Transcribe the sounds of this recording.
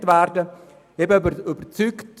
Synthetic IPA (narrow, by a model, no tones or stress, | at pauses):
tvæːɾdə | ebəbybəɾt͡sykt